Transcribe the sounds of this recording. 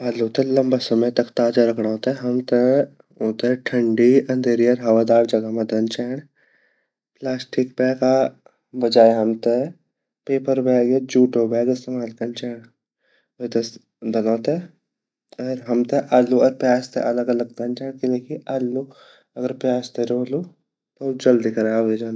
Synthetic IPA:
aːlːoːt̪ẽlɐmbasɐmət̪ɐkt̪aːd͡ʒaɾɐkʰɽaot̪eɦɐmt̪e | ot̪eʈʰɐ̃ɳɖiɐ̃nd̪ʱeːɾiɐɾɦɐʋaːd̪aːɾd͡ʒɐɡamɐd̪ənt͡ʃɛːɽ | plaːsʈik̚pɛːka | bɐd͡ʒaːjɦɐmt̪e | peːpəɾbɛːɡed͡ʒuːʈobɛːɡɪst̪eːmaːlkɐnt͡ʃɛːɽ | et̪es | d̪ɐlɔ̃ːt̪e | ɐɾɦɐmt̪eʔɐluɔɾpjaːst̪ḛʔɐləɡɐləɡ̚d̪ɐnt͡ʃɛːɳkileːkiʔɐlːu | ɐɡəɾpjaːst̪eɾoːlu | t̪od͡ʒɐld̪ikɐɾaːed͡ʒaːn

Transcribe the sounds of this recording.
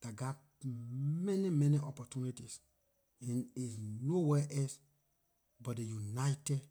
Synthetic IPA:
d̥aɡat | mɛnimɛniʔɔpɔtunitis | ɛ̃nisnowɛʔɛs | bɔtdejunajtɛd

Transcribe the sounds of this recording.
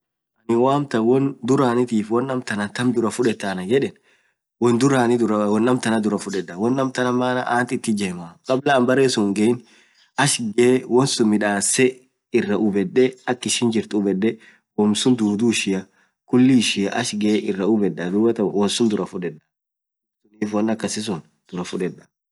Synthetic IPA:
ʔɐnɪwaːmt̪ɐwɔnd̪ʊɾaːnɪt̪iːfwɔnːɐmt̪ɐnɐt̪ɐmd̪ʊɾɐfʊᶑɛt̪ːaːnɐd͡ʒɛᶑɛn | wɔnd̪ʊɾaːnɪd̪ʊɾɐwɔnːɐmt̪ɐnɐd̪ʊɾɐfʊᶑɛdːɐwɔnːɐmt̪ɐnɐmːaːnɐ̰ʔaːnt̪ɪt̪ːɪd͡ʒɛmakʼɐblɐːmbɐreːsʊŋɡɛɪn | ɐʃɡewɔnsʊnmɪᶑaːsɛ | ɪrːɐʔʊbɛdːɛɐkːɪʃɪːnd͡ʒɪɾt̪ʊbɛᶑːɛ | wɔmsʊnd̪uːd̪uːʃɪjɐ | kʊlːɪʃɪɐʔɐʃɡeʔɪrːɐʊbɛᶑːɐd̪uːbɐt̪ɐwɔnsʊnd̪ʊɾɐfʊᶑɛᶑɐ̥ | sʊniːfwɔnːɐkːɐsɪs̬ʊn | d̪̥ʊɾɐfʊᶑɛᶑɐ̥

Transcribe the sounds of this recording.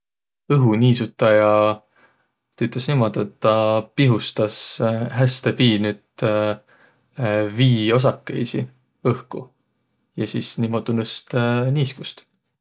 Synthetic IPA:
ɤɦuniːsut̪ˑːɑjɑ | t̪yt̪ˑesnimo̞d̪̥et̪ːɑpiɦust̪ɑsɦæst̪epiːnyːd̪̥ | viːo̞s̬ɑkːḛjsḭ | ɤhku | jɑsiːsnimot̪unust̪niːskust̪

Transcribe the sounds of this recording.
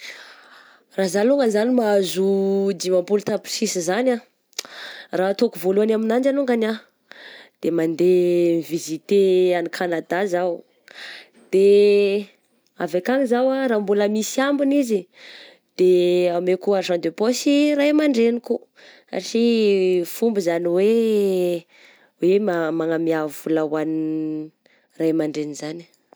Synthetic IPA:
razaluŋɡanizanimaazud͡ʒ̪imampulut̪apsisizana | rat̪okuvoluanaminand͡ʒaluŋɡana | d̪̥emand̪emivizit̪eanikʰanad̪azaw | d̪̥e | a̰vakaŋizawaɾaːmbuləmisiambunizi | d̪̥eamekuaɾʃãnd̪eposirajmaɳɖ͡ʐeniku | a̰ʈ͡ʂifumbizaniwe | wemamaŋamiavulawani | rajmaɳɖ͡ʐenizani̥

